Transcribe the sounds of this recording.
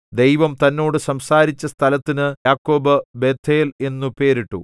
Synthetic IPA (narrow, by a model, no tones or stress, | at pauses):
d̪e̞jʋɐmt̪ɐnːo̞ːɽɨsɐmsaːɾit͡ɕːɐst̪ʰɐlɐt̪ːinɨjaːkːoːbɐbe̞ːt̪ʰːeːle̞nːupe̞ːɾiʈːṵ